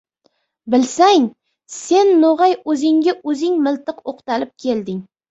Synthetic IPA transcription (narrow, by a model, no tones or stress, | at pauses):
bɪlsaŋ | se̞nːoʁɑjɵzɪŋɡʲaʔɵzɪŋmɪlˠt̪ɨqoqt̪alɪp̚kʲʰe̞ld̪ɪŋ